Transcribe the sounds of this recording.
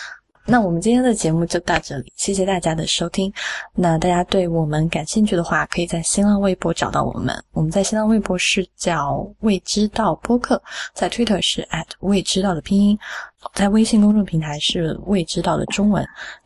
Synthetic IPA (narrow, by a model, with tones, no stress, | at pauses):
na˥˩wɔ˨˩mə˦nt͡ɕi˥nʰjɛ˥nd̪ə˨t͡ɕjɛ˧˥mu˥˧t͡ɕjo˥˧ʊt̪ɑ˥˧ʊʈ͡ʂɤ˥˩lḭ˨˩ɕjɛ˥˩ɕjɛ˨˩t̪a˥˩t͡ɕja˥d̪ə˨ʂo˥ʊt̪ʰi˥ŋna˥˧t̪a˥˩t͡ɕja˥t̪we˥˩ɪwɔ˨˩mə˦nka˨˩nɕi˥˧ŋt͡ɕʰy˥˩d̪ə˩xwa˥˩kʰɤ˧˥i˨˩t͡sa˥˩ɪɕi˥nla˥˧we˥˩ɪpwɔ˥ʈ͡ʂɑ˨˩ʊt̪ɑ˥˩ʊwɔ̰˨˩mə̰˦nwɔ˨˩mə˦nt͡sa˥ɪɕi˥nlɑ˥˧ŋwe˥˧ɪpwɔ˥ʂɻ̩˥˩t͡ɕjɑ˥˩ʊwe˥˩ɪʈ͡ʂɻ̩˥t̪ɑ˥˩ʊpwɔ˥kʰɤ˥˩t͡sa˥˩ɪt̪ʰwi˥t̪ʰə˥˩ʂɻ̩˥˩ʔa˥˩tʰwe˥˩ɪʈ͡ʂɻ̩˥t̪ɑ˥˩ʊd̪ə˩pʰi˥ŋi˥n˨t͡sa˥˩ɪwe˥ɪɕi˥˧nkʊ˥ŋʈ͡ʂʊ˥˩ŋpʰi˧˥ŋt̪ʰa˧˥ɪʂɻ̩˥˧we˥˩ɪʈ͡ʂɻ̩˥t̪ɑ˥˩ʊd̪ə̰˩ʈ͡ʂʊ˥ŋwə̰˧˥n